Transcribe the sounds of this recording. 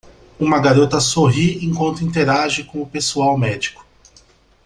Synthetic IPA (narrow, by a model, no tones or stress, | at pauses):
ũmɐɡaɾot̪ɐsoɦiẽkwɐ̃nt̪ʊĩnt̪eɾaʒɪkõʊpesuawmɛd͡ʒikʊ̥